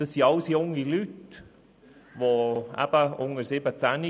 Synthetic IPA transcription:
d̥ɑsːiɑʊsjʊŋːilyt | voæ̰b̥əʊŋəɾsɪbət͡sæni

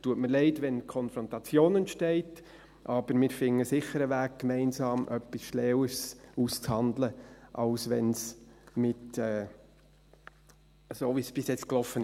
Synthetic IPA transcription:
tuətməɾlɛɪtʋɛnkʰɔnfɾɔntɑt͡sjoːnɛnʃtɛɪt | ʔɑb̥əɾmɪːɾfɪŋːəsɪχəɾəʋæːk̚kːmɛɪnsɑːmʔœpːisʃlɛːwəsuːst͡shɑnd̪ləʔɑʊsʋɛnsmɪtɛː | soːʋisb̥ɪsjɛt͡sklɔfːənɪ

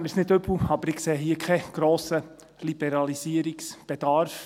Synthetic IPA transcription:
mɪsnɪd̪øbl̩ɑb̥əɾɪkseːɦiːəkʰɛɡ̥ɾoːsə | lib̥ɛɾɑlisiəɾiksb̥ɛd̥̪ɑɾf

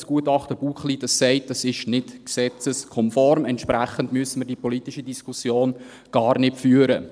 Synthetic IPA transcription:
sɡ̥uətɑχtəb̥uːχlid̥ɑsːɛɪt̚dɑsɪʃnɪtksɛt͡səskʰɔmfɔɾmɛntʃpræχəndmyəsənməɾdipɔlitiʃidiskʰusjoːn | ɡ̥ɑːɾnɪtfyːəɾə

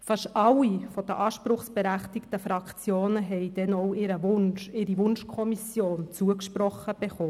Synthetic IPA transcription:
fɑʃɑlːifɔd̥̪əʔɑːʃpɾʊχsb̥eɾæχt̪ɪkt̪əfɾɑkt͡sjoːnəɦɛjd̥̪ɛnɔwɪɾəʋʊnʃɪɾiʋʊnʃkʰɔmisjoːnt͡suəkʃpɾɔχːəb̥eχoː

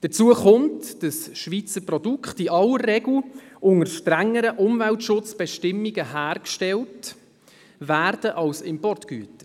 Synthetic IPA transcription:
d̥ət͡suəχʊmtd̥əsʃʋit͡səɾprɔdukχtiʔɑlːəɾːɛɡl̩ʔʊŋəɾʃtɾæŋːəɾəʔʊmvæltʃʊt͡sb̥ɛʃtɪmːiɡəɦæːɾkʃtɛlt | væːrd̥əʔɑlsɪmpɔrtky̰ːtə

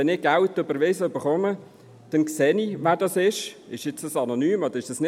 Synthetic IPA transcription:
ɛnɪɡ̥altːøbəɾʋesəøbəχɔmə | d̥ɛnksɛːniʋaːdɑsɪʃɪʃjɪt͡səsɑnonyːmɔd̪əɾɪʃd̥ɑsnɪ

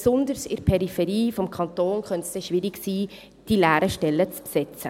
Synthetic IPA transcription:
sʊnd̪əɾsɪ̰ɾpʰɛɾifɛɾiːfɔmkʰɑnt̪oːnχœntsdɛʃʋɪɾɪksiː | d̥ilæːɾəʃtɛlːət͡ssɛt͡sə

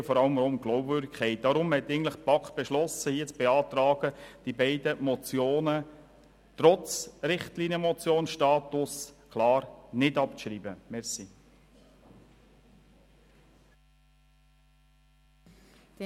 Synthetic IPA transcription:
fɔɾɑləmɾomɡ̥lɔʊbvʏːɾdɪkʰɛɪt̚d̪̥ɑɾʊmhɛt̪ːæɪɡən̩tləχpɑkb̥ɛʃlɔsəhiːət͡sb̥eɑːt̪ɾɑːɡ̥əd̥ibɛɪdəmɔt͡sjoːnə | t̪ɾɔt͡sɾɪχtlinjəmɔt͡sjoːnʃtɑːt̪ʊskʰlɑːɾnɪdɑpt͡sʃɾiːbəmɛɾsi

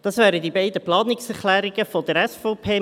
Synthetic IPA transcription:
d̪̥ɑsvæːɾəd̪ibɛɪd̪əplɑːnɪksɛɾχlæːɾɪɡəfɔd̥̪əɾɛsfoʊpʰeː

